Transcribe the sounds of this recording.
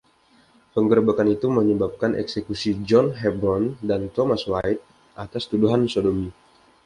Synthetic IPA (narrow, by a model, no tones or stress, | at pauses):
pəŋɡəɾbakanit̪uməɲəbap̚kanʔɛ̰ksekusid͡ʒɔnɦɛbɾɔndant̪omaswajt̪̚ | ʔat̪ast̪uduɦansodomi